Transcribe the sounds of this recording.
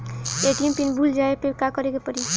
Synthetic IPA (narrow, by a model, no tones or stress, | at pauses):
eʈijmpinbʱuld͡ʒaepekakʌɾekepʌɾi